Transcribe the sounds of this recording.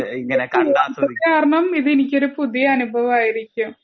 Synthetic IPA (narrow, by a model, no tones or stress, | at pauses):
ŋːɐɐkaːɾɐɳɐmiðenikʲːo̞ɾupuðijɐːnubʱɐʋɐmaːjiɾikʲːum